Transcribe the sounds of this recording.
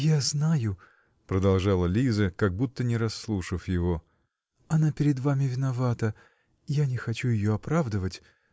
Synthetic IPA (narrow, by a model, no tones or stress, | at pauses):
jaznajʊ | pɾəd̪ɐlˠʐalˠəlʲizəkɐɡ̚but̪ːənʲɪɾɐsːlˠuʂɨfjɪvo | ɐnapʲɪɾʲɪd̪vamʲɪvʲɪnɐvat̪ə | janʲɪxɐt͡ɕujɪjoɐpɾavd̪əvətʲ